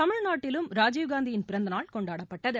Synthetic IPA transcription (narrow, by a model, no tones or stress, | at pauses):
ɐmɪɻnaːʈːɪlɯmɾaːd͡ʒiːʋɡaːnd̪ijɪnpɪɾɐnd̪ɐnaːɭkɔɳɖaːɽɐpːɐʈːɐðɯ